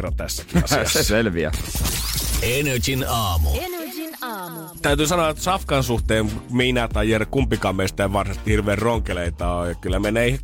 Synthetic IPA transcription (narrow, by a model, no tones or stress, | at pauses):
ront̪æsːækiɑ̰sɑsːselʋiæ̰ | enet͡ʃinɑːmṵ | t̪æyt̪yːsɑnoɑt̪sɑfkɑnsuht̪eːmmiːnæt̪ɑjerkumpːikɑmːest̪æeʋʋɑrsɑst̪ihirʋeːrroŋkeleit̪ɑjɑkylːæmenˑeːih